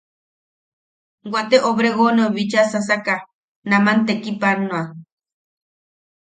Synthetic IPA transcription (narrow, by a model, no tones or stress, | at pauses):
wat̪eʔoβɾeɣoneoβit͡ʃasas̬aka | namant̪ekipanːoa